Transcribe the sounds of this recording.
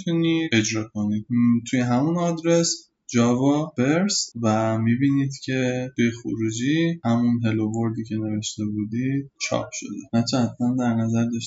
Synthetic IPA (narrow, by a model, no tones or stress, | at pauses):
t̪ʰunie̞d͡ʒɾɒːkʰo̞nid̪̥̚t̪ʰujeɦæmunɒːd̪ɾe̞s | d͡ʒɒvɒb̥eɾsvæmibiːniːd̪cʰe̞t̪ejexo̰ɾuːd͡ʒiːhæmunɦe̞lovo̞ɾd̪iːcʰe̞ne̞ve̞ʃt̪e̞bud̪iːd̪̥t͡ʃʰɒ̰ːpʰʃo̞̰d̪ḛnæt͡ʃʰɛt̪ʰmænd̪æɾnæzæɾd̪ɒʃ